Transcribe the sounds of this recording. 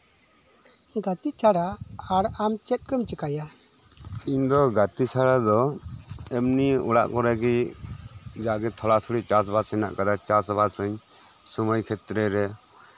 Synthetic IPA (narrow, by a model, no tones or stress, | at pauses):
ɡat̪it͡ʃʰaɽaaɽamt͡ʃɛt̪̚ˀkəmt͡ʃəkaja | iɲd̪ɔɡat̪it͡ʃʰaɽad̪ɔ | ɛmniṵɽa̰ʔkɔɾɛɡi | d͡ʒaaʔɡɛt̪ʰɔlat̪ʰuɽiʔt͡ʃas̬bʱasəna̰ʔkad̪at͡ʃasbasəɲ | suməjkʰɛt̪ɾɛɾɛ